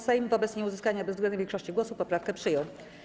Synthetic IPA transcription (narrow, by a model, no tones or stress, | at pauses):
sɛjmvɔbɛt̪sɲɛuzɘskaɲabɛzvɡlɛnuvʲjkʂɔɕt͡ɕiɡwɔsupɔpɾafkɛpʂɘjɔw